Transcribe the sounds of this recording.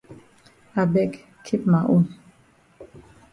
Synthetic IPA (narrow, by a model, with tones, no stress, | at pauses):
a˨bɛ˦k | kʰːi˦pma˨ʔu˦n